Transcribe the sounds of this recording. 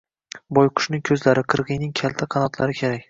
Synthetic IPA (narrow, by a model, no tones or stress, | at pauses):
bɒjqʰʊ̥ʃnɪŋkʲʰɵzlaɾɪqʰɨɾʁɨjnɪŋkʲʰalt̪ʰaqʰɑnɒt̪ʰlaɾɪkʲʰeɾakʲ